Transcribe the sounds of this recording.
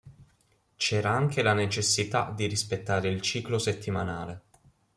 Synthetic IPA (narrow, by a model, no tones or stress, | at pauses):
t͡ʃɛːɾaaŋk̟elanet͡ʃesːit̪a̰d̪iɾispet̪ːaːɾeilt͡ʃiːkloset̪ʰːimanaːle